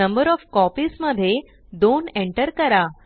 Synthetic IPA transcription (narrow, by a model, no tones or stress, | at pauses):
əmbəɾɔfkɔpiːsməd̪ʱːje | d̪oneɳʈəɾkəɾa